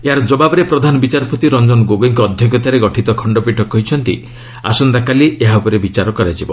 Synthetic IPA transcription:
eɦaɾɔd͡ʒɔbabɔɾepɾɔd̪ʱanɔbit͡ʃaɾpot̪iɾɔnd͡ʒɔnɔɡoɡoŋkɔːd̪ʱjɔkɔt̪aɾeɡɔʈʰit̪ɔkʰɔɳɖɔpiʈʰɔkɔɦit͡ʃʰɔnt̪ḭ | a̰sɔnd̪akalieɦaupɔɾebit͡ʃaɾɔkɔɾad͡ʒibɔ̰

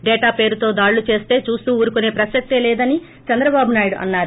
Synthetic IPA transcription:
ɖɛːʈaːpe̞ːɾut̪o̞ːd̪aːɽːut͡ʃe̞ːst̪e̞ːt͡ʃuːst̪uːuːɾukune̞ːpɾɐsɐk̚t̪elɛːd̪ɐni | t͡ʃɐnd̪ɾɐbaːbunaːjiɽuʔɐ̰nːaːɾu

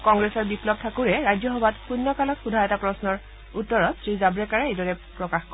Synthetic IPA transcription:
kɔŋɡɹesɔɹbiplɔp̚tʰakuɹɛɹajzɔxɔbatpunːɔkalɔkxudʱajɛtapɹɔsnɔɹ | utːɔɹɔtsɹizabɹɛkaɹaejdɔɹɛpɹɔkaxkɔ

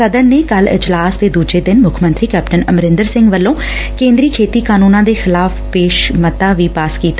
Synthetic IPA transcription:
səd̪əɾneːkəlɪ̰d͡ʒlaːsd̪eːd̪uːd͡ʒeːd̪ɪnmʊkʰmənt̪ɾiːkɛːpʈənəmɾɪ̃nd̪əɾsɪ̃ŋɡʋəlːõː | kẽːnd̪ɾiːkʰeːt̪iːkaːnuːnãːd̪eːxɪlaːfʰpeːʃmət̪aːʋiːpaːskiːt̪a

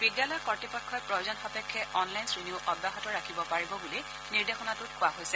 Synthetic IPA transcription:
bidjalɔjɔkɔɹtipɔkʰːɔjpɹɔjozɔnxapɛkʰːɛʔɔnlajnsɹiniʊʔɔdːaɦɔtɔɹakʰibɔpaɹibɔbuli | niɹdexɔnatʊtkʰʊwaɦojsɛ

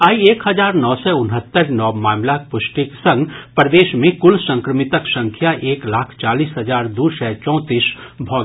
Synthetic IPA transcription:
aːieːkɦɐzaːɾnɔːsɛʊnɦət̪ːəɾnɔːmaːmlak̚pʊʃʈiksɐ̃ŋɡpɾəd̪eːʃmẽkʊlsə̃ŋkɾəmɪt̪əksə̃ŋkʰjaʔeːklaːkʰt͡ʃaːliːsɦɐzaːɾd̪uːsɛːt͡ʃɔ̃ːt̪iːsbʱɔː

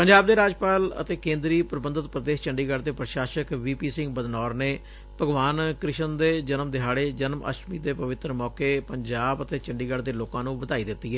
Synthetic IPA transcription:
pəɲd͡ʒaːb̚d̪eːɾaːd͡ʒpaːlə̰t̪eːkẽːnd̪ɾiːpɾəbənd̪ət̪pɾəd̪eːʃt͡ʃəɳɖiːɡəɽd̪eːpɾəʃaːʃəkʋiːpiːsɪ̃ŋɡ̚bəd̪nɔːɾneː | pəɡʋaːnkɾɪʃənd̪eːd͡ʒənəmd̪ɪɦaːɽeːd͡ʒənmə̰ʃmiːd̪eːpəʋɪt̪ɾəmɔːkeːpəɲd͡ʒaːbət̪eːt͡ʃəɳɖiːɡəɽd̪eːloːkãːnũːbəd̪aːiːd̪ɪt̪ːiːɦɛː

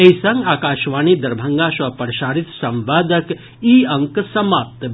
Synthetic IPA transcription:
eisɐŋɡaːkaːʃʋaːnid̪ɐɾbʱɐŋɡasɐpəɾʃaːɾit̪sɐ̃mʋaːd̪ək | iɐŋksɐmaːp̚t̪

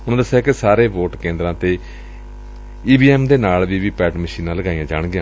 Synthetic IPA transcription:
ʊnãːd̪əsːɛːkesaːɾeːʋoːʈkẽːnd̪ɾãːt̪eː | iːbiːɛːmd̪eːnaːlʋiːʋiːpɛːʈməʃiːnãːləɡaːijãːd͡ʒa̰ːɳ̃ɡɪjãː

